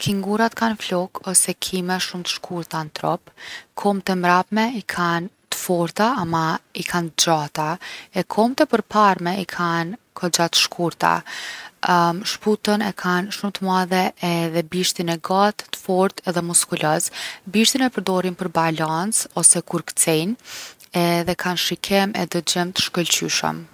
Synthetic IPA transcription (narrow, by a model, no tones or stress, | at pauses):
kʰiŋɡuɾat̪kanflɔkɔsɛkʰimɛʃumt̪ə̥ʃkuɾt̪ant̪ɾɔpkʰɔmt̪ɛmɾapmɛikʰan | t̪ə̥fɔɾt̪aːmaikʰant̪əd͡ʑat̪aɛkʰɔmt̪ɛpəɾpaɾmɛikʰan | kʰɔd͡ʑat̪ə̥ʃkʰuɾt̪a̰ | ʃput̪ənɛkʰanʃumt̪əmaðɛɛðɛbiʃt̪inɛɡat̪t̪ːə̥fɔɾt̪ʰɛðɛmuskulasbiʃt̪inɛpəɾd̪ɔɾinpəɾbalant͡sɔsɛkuɾkt͡sɛnɛðɛkʰanʃikʰɛmɛ̰d̪əd͡ʑəmt̪ə̥ʃkəlt͡ɕyʃə̰m